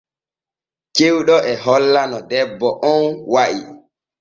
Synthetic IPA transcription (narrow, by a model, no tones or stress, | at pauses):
t͡ʃewɗɔʔɛɦɔlːanɔdɛbːɔʔɔnwaʔi